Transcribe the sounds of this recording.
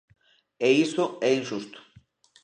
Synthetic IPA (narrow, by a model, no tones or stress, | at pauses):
eisoɛinʃust̪o̥